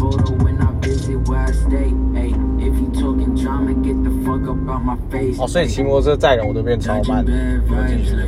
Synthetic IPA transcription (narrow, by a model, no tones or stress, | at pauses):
oʊɾowɛ̃nabɪziwɛsdeɪeɪɪfjɨtʰɔkɪ̃ntʰɹ̥ãɪ̃nɨ̃ɡɛt̪̚ðəfʌɡʌpbaʊt̚maɪfeɪsɔsɔit͡ɕʰimuwot͡sʰət͡saɪɻənwɔpjɛnt͡sʰɑʊman